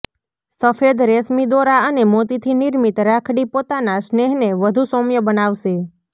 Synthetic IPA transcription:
səfed̪ɾesmid̪oɾaənemot̪it̪ʰiniɾmit̪ɾakʰɽipot̪anasneɦneʋəd̪ʱusomjəbənaʋʃe

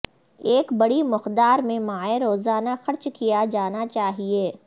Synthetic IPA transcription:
eːkbɐɽimʊqd̪aːɾmẽmaːeɾoːzaːnaxɐɾt͡ʃkijad͡ʒaːnat͡ʃaːɦieː

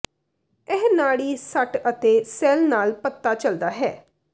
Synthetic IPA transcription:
ɛɦnaːɽiːsəʈət̪eːsɛːlnaːlpət̪ːaːt͡ʃəld̪aːɦɛː

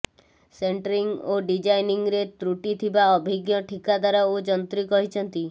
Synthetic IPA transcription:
seɳʈɾiŋɡoɖid͡ʒajniŋɾet̪ɾuʈit̪ʰibaɔbʱiɡjɔʈʰikad̪aɾaod͡ʒɔnt̪ɾikɔɦit͡ʃʰɔnt̪i

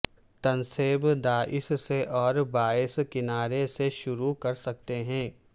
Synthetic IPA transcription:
t̪ɐnseːbd̪aːʔɪsseʔɔːɾbaːɪskɪnaːɾeseʃʊɾukɐɾsɐk̚t̪eɦɛ̃ː

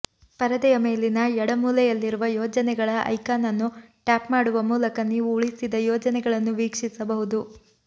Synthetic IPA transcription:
pɐɾɐd̪ɛjɐme̞ːlinɐɛɽɐmuːlɛjɐlːiɾuʋɐjɔːd͡ʒɐnɛɡɐɭɐʔɐ̰jkaːnɐnːuʈaːpmaːɽuʋɐmuːlɐkɐnːiuːɭisid̪ɐjɔːd͡ʒɐnɛɡɐɭɐnːuʋiːkʂisɐbɐɦud̪u

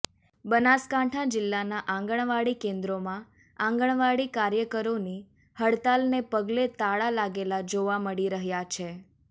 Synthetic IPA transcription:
bənaskãʈʰad͡ʒɪlːanaʔãŋɡəɳ̃ʋaɽikẽnd̪ɾomã | ãŋɡəɳ̃ʋaɽikaɾjəkəɾoni | həɽt̪alnepəɡlet̪aɭalaɡelad͡ʒoʋaməɽiɾəɦjat͡ʃʰe

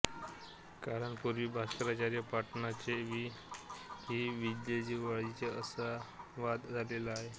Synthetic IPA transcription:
kaɾəɳpuɾʋiːbʱastɾat͡ɕaɾjəpaʈnat͡ɕeʋiː | ɦiʋid̪jed͡ʑiʋaɭit͡seəsaʋad̪d͡zʱalelaːɦe

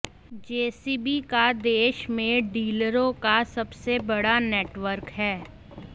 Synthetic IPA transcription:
d͡ʒeːsiːbikad̪eːʃmẽɖiːləɾõkasɐbsebɐɽaneːʈʋəɾkɦɛː

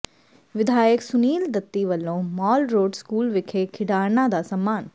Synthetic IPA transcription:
ʋɪd̪ʱaːjəksʊniːld̪ət̪ːiʋəlːõːmɔːlɾoːɖskuːlʋɪkʰekʰɪɖaːɾnãd̪aːsəmːaːn

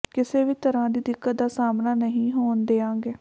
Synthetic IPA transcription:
kɪseːʋiːt̪əɾãːd̪iːd̪ɪkːət̪̚d̪aːsaːmnaːnəɦĩːɦoːnd̪eːãːŋɡeː

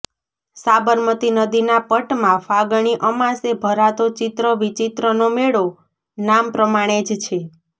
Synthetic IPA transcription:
sabəɾmət̪inəd̪inapəʈmãfaɡɳ̃iʔəmãsebʱəɾat̪ot͡ʃit̪ɾəʋit͡ʃit̪ɾənomeɭo | nampɾəmaɽ̃ed͡ʒt͡ʃʰe

